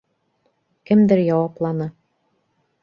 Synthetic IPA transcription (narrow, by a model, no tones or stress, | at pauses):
kɘmd̪ɘɾjɑwɑplˠɑnɤ